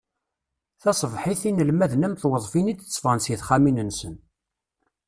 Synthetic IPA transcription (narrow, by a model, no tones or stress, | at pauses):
θɑsˤəvħiθinəlmæðənæmθwəðˤfinid̪t͡sːfʁənsiθχaminənsən